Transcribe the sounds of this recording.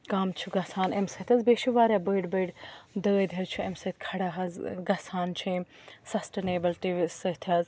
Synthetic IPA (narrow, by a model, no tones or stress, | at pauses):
kaːmt͡ʃʰuɡɐsaːnemsɐt̪ʰʲɐzbeːʃiʋaːɾʲjabəːɖbɐɖd̪əːd̪ʱjɐt͡ʃʰuemsɐt̪ʰʲkʰɐɽaːɦɐzɡɐsaːnt͡ʃʰi | sɐsʈeneːbɐltiʋsɐt̪ʰɐz